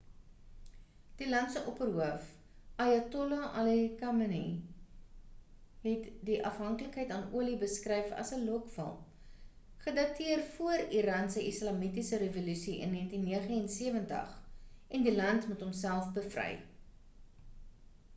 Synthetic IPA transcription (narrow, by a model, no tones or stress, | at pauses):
d̥ilɐntsəʔɔpərɦuəf | ɐjɐtɔlaʔɐlekɐmənḭ | ɦɛtdiʔɐfɦɐŋkələkɦəjtɑnuəlibəskrɛjfɐ̰səlɔkfə̰lˠm | χədɐtiərfuəriɾɑːnsəʔislɑmitisəɾevolysiʔə̰nːiəntinːiəχəɛnsiəvəntə̰χʔɛndilɐntmutɦɔmsælˠfbəfrɛ̰j